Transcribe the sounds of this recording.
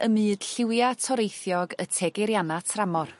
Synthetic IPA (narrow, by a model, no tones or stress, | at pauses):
əmɨːd̥ɬɪwjatʰɔɾejθjɔɡətʰɛɡɛɾjanatʰramɔr